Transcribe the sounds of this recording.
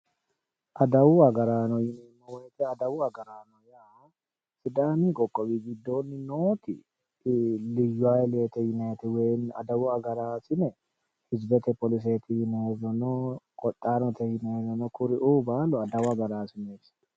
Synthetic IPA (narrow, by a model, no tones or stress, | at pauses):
ʔɐd̪ɐwuɐɡɐɾaːnɔjɪnɛɪmːɔwejt̪ɛɐd̪ɐwʊɐɡɐɾaːnɔjahɔ | sɪd̪aːniːkʼɔkʼːɔbiːɡɪd̪ːo̞ːnːɪnoːt̪ɪ̰ | lɪjːʊaːleːt̪ɛjɪneːt̪ɪweːnɐ̰d̪ɐwʊɐɡɐɾaːsɪnɛ | hɪd͡ʒbɛt̪ɛpɔlɪs̬eːt̪ɪhɪneezɐnɔkʼɔt̪ʼːaːnɔt̪ɛhɪnɛzɐnɔkʊɾɪʔuːbaːlɔɐd̪ɐwɐɡɐɾaːsɪneːbsɐ̥